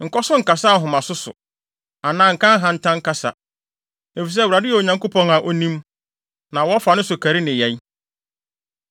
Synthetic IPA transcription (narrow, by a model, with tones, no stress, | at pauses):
ŋ̩˨kɔ˦sʊ˦ŋ̩˨ka˨sa˦˨ɦʊ̃˨mã˨sʊ˦sʊ̰˨ | a˨nãː˨ŋ̩˨kã˦ŋ˦ɦã˨n̩˦tʰã˦ŋ̩˦ka˦sa̰˨ | e˨fi˨s̬ɛ˦wu˨ɾa˨dɪ˦jɛ˨o˨ɲã˨ŋko˦pʰɔ̃˦na˨ʔo˨nĩ˦m | nã˨wɔ˦fa˨nʊ̃˦sʊ˨kʰæ˨ɾɪ˦nɪ̃˨jɛ˨ɲ˦